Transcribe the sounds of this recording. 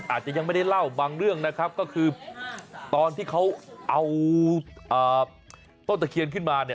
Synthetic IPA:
ʔaː˨˩t̪̚t͡ɕa˨ʔja˧ŋma˥˩jda˥˩jla˥˩wbaː˧ŋɾɯ˥˩əŋna˦˥kʰp̚kɔː˥˩kʰɯː˧ | t̪ɔː˧nt̪ʰiː˥˩kʰa˦˥wʔa˧w | ʔɤː˨˩ | t̪o˥˩t̪a˧˩kʰi˧ənkʰɯ˥˩nmaː˧ni˥˩ə

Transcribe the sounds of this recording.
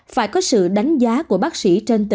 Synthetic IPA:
faː˧˩jkɔ˨˦sɨ̰˧˨ɗa˨˦jŋ̟zaː˨˦ku˧˩əɓaː˦˥k̚sḭ˧˩t͡ɕe˧nt̪ɨ˧˨

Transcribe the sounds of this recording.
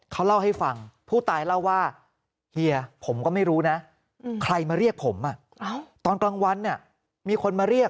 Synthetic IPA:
kʰa˦˥wla˥˩wɦa˥˩jfa˧ŋpʰuː˥˩t̪aː˧jla˥˩wːaː˥˩ | hi˧ɐpʰo˩˦mkɔː˥˩ma˥˩jɾuː˦˥na˦˥ | kʰɾa˧jmaː˧ɾi˥˩ək̚pʰo˩˦mʔa˧˩ | t̪ɔː˧nkla˧ŋwa˧nːi˥˩ə | miː˧kʰo˧nmaː˧ɾi˥˩ək̚

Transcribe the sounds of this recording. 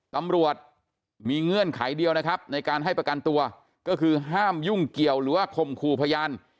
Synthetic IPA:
t̪a˧mɾu˨˩ət̪̚ | miː˧ŋɯ˧˥ənkʰa˩˦jdi˧əwna˦˥kʰɾa˦˥p̚na˧jkaː˧nɦa˥˩jpɾa˧ka˧nt̪u˧ɐ | kɔː˥˩kʰɯː˧ɦaː˥˩mju˥˩ŋki˨˩əwɾɯː˩˦waː˥˩kʰo˧˩mkʰuː˧˩pʰa˧jaː˧n

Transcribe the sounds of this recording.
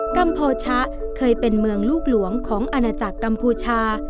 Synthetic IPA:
ka˧mpʰoː˧t͡ɕʰa˦˥kʰɤː˧jpe˧nmɯ˧əŋluː˥˩k̚lu˩˦əŋkʰɔː˩˦ŋʔa˧naː˧t͡ɕa˨˩kːa˧mpʰuː˧t͡ɕʰaː˧

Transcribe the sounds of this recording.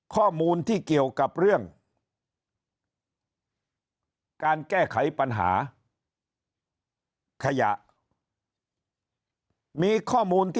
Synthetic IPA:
kʰɔː˥˩muː˧nt̪ʰiː˥˩ki˨˩əwka˨˩p̚ɾɯ˥˩əŋ | kaː˧nkɛː˥˩kʰa˩˦jpa˧nɦa̰ː˩˦ | kʰa˧ja̰˨˩ʔ | miː˧kʰɔː˥˩muː˧nt̪ʰː

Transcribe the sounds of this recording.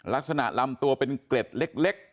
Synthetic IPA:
la˦˥k̚sa˧na̰˨˩ʔla˧mt̪u˧ɐpe˧nkle˨˩t̪̚le˦˥k̚le˦˥k̚

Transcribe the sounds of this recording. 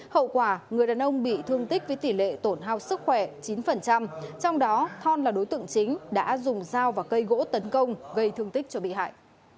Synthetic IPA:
hə̰˧˨wkwaː˧˩ŋɨ˨˩jɗaː˨˩nʔə˧wŋ͡mɓḭ˧˨t̪ʰɨ˧əŋt̪i˦˥k̚vəː˨˦jt̪i˧˩lḛ˧˨t̪o˧˩nɦaː˧wsɨ˦˥k̚xwɛ˧˩t͡ɕi˨˦nfə˨˩nt͡ɕa˧mt͡ɕɔ˧wŋ͡mɗɔ˨˦t̪ʰɔ˧nlaː˨˩ɗo˨˦jt̪ɨ̰˧˨ə˨ŋt͡ɕï˨˦ŋ̟ɗa̰ː˧˥zʊ˨˩ŋ͡mzaː˧wvaː˨˩kə˧jɣo̰˧˥t̪ə˨˦nkə˧wŋ͡mɣə˧jt̪ʰɨ˧əŋt̪ï˦˥k̚t͡ɕɔ˧ɓḭ˧˨hɦa̰ː˧˨jʔ

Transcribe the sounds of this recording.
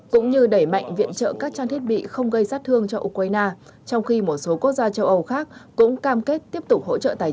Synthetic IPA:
kʊ̰˧˥ŋ͡mɲɨ˧ɗə˧˩jma̰˧˨jŋ̟vḭ˧˨ənt͡ɕə̰ː˧˨kaː˦˥k̚t͡ɕaː˧t̪ʰi˦˥ət̚ɓḭ˧˨xə˧wŋ͡mɣə˧jsaː˦˥t̚t̪ʰɨ˧əŋt͡ɕɔ˧ʔu˧kwaː˧jnaː˧ | t͡ɕɔ˧wŋ͡mxi˧mo˨˩t̚so˨˦ku˦˥ək̚zaː˧t͡ɕə˧wʔə˧wxaː˦˥k̚ːʊ̰˧˥ŋ͡mkaː˧mke˦˥t̚t̪i˦˥əp̚t̪ʊ˨˩k͡p̚ho̰˧˥t͡ɕə̰ː˧˨t̪aː˨˩

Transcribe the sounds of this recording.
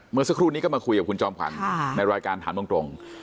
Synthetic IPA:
mɯ˧əsa˧˥kʰɾuː˥˩ni˦˥kɔ˥˩maː˧kʰu˧jka˨˩p̚kʰu˧nt͡ɕɔː˧˩mkʰa̰˨˦nːa˧jɾaː˧jkaː˧nt̪ʰaː˩˦bɯ˧əŋt̪ɾo˧ŋ

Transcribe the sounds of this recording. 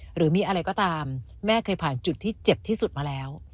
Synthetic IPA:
ɾɯː˩˦miː˧ʔa˧ɾa˧jkɔː˥˩t̪aː˧mːɛː˥˩kʰɤː˧jpʰaː˨˩nt͡ɕu˨˩t̪ʰːiː˥˩t͡ɕe˨˩p̚t̪ʰiː˥˩su˨˩t̪̚maː˧lɛː˦˥w

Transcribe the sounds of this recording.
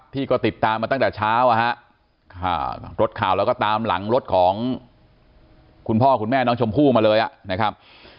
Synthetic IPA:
p̚t̪ʰiː˥˩kɔː˥˩t̪i˨˩t̪ːaː˧mːaː˧t̪a˥˩ŋt̪ɛː˨˩t͡ɕʰaː˦˥wʔa˨˧˩ɦa˦˥ʔ | kʰa̰˧˩ɾo˦˥t̪̚kʰaː˨˩wlɛ˦˥wkɔː˥˩t̪aː˧mla̰˩˦ŋɾo˦˥t̪̚kʰɔː˩˦ŋ | kʰu˧npʰɔː˥˩kʰu˧nmɛː˥˩nɔː˦˥ŋt͡ɕʰo˧mpʰuː˥˩maː˧lɤː˧jʔa˨˩ʔna˦˥kʰɾa˦˥p̚

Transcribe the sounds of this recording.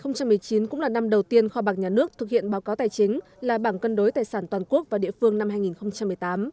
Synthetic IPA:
xə˧wŋ͡mt͡ɕa˧mːɨ˨˩əjt͡ɕi˨˦nkʊ̰˧˥ŋ͡mlaː˨˩na˧mɗə˨˩wt̪i˧ənxɔ˧ɓaː˨˩ɲaː˨˩nɨ˦˥ək̚t̪ʰɨ˨˩k̚hḭ˧˨ənɓaː˨˦wkaː˨˦wt̪aː˨˩jt͡ɕï˨˦ŋ̟ | laː˨˩ɓaː˧˩nkə˧nɗo˨˦jt̪aː˨˩jsaː˧˩nt̪waː˨˩nku˦˥ək̚vaː˨˩ɗḭ˧əfɨ˧əŋna˧mɦaː˧jŋi˨˩nxə˧wŋ͡mt͡ɕa˧mːɨ˨˩əjt̪aː˨˦m

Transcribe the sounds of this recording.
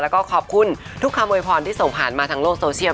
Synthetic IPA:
lɛ˦˥wkɔː˥˩kʰɔː˨˩p̚kʰu˧˩n | t̪ʰu˦˥kʰːa˧mːoː˧jpʰɔː˧nt̪ʰiː˥˩so˨˩ŋpʰaː˨˩nmaː˧t̪ʰaː˧ŋloː˥˩k̚soː˧si˥˩

